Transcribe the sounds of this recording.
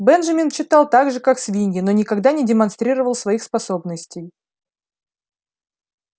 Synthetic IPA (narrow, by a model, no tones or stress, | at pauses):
bɛnʐɐmʲɪnt͡ɕːɪt̪ɑlˠt̪aɡʐɨkaksvʲinʲɡʲɪno̞nʲɪkɐɡd̪anʲɪdʲɪmɐnst̪ɾʲiɾəvəlˠsvɐixspɐso̞bnəsʲtʲɪj